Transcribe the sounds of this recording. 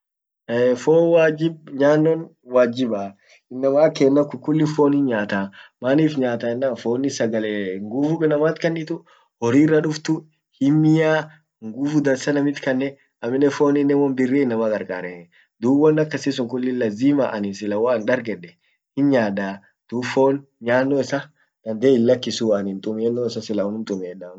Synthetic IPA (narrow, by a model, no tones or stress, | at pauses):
ɛfoːwaːd͡ʒɪb̚ɲaːnːɔn | waːd͡ʒɪbaː | ɪnːɐmaːkeːnːɐkʊkʊlːɪfoːnhɪɲɲːaːt̪aːmaːniːfɲaːt̪aɪnːaːfoːnːɪsɐɡɐlɛŋɡufʊkʼɪnɐmaːt̪kɐnːɪt̪ʊ | hɔɾiːrːɐᶑʊft̪ʊ | hɪmːɪjaː | ŋɡʊfʊd̪ɐsɐnɐmɪt̪kɐnːɛ | ɐmɪnːɛfoːnɪnːɛmɔnbɪrːeːnːɐmɐkʼɐɾkʼa̰ːɾɛ | d̪uːwɔnːɐkːɐsɪsʊŋkʊlːɪlɐziːmaʔɐnɪnsɪlɐwanᶑɐɾɡɛᶑɛ | hɪnɲaːd̪aː | d̪̥uːfoːnɲaːnːoːɪsɐ | d̪̥ɐnd̪eːɪlːɐkːɪsuːɐnɪnt̪ʼʊmeːnːoːɪsɐsɪlɐwɔnʊmt̪ʼʊmeːnːaːn